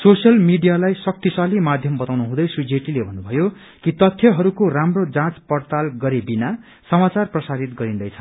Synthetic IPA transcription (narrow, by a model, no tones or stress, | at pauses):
sosjʌlmiɖijalajsʌk̚t̪isalimad̪ʱjʌmbʌt̪awnuɦũd̪ʌjsud͡zeʈilebʱʌnːubʱʌjo | kit̪ʌt̪ʰːjʌɦʌɾukoramrod͡zãt͡spʌrt̪alɡʌɾebina | sʌmat͡sarprʌsaɾit̪̚ɡʌɾind̪ʌjt͡sʰʌn